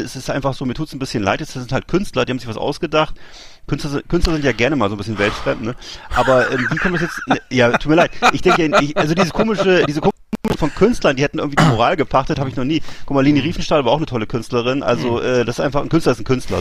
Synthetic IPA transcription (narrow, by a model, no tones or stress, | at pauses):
ɛsɪstʔaɪnfaχz̥oːmiːɐtʰuːtsn̩bɪsçənla̰ɪtjɛt͡sd̥asɪnthalt̚kʰʏnstlɐdiːhamzɪçv̥asʔa̰ʊsɡ̥ədaχt̚ | kʰʏnstlɐzɪkʰʏnstlɐzɪntjaːɡɛɐnəmaːlzoːnbɪsçənvɛltfʁ̥ɛmtnəʔʔaːbɐʔɛːmviːkʰɔmnvɪsjɛt͡snəjaːuːtmiɐlaɪt̚ʔɪçd̥ɛŋkəɪɪçʔalzodiːzəskʰoːmɪʃədiːzəkʰoː | mmɪʃfɔnkʰʏnstlɐndiːhɛtn̩ɪɐɡ̩ŋtv̥idimoʁaːlɡəpʰaχtəthaːbəɪçnɔχniːkʰʊmaːliːniʁiːfn̩ʃtaːlvaɐaʊxnətʰɔləkʰʏnstləʁɪnʔa̰lzoʔɛːdasɪstʔaɪnfaχn̩kʏnstlɐɪstn̩kʰʏnstlɐ̰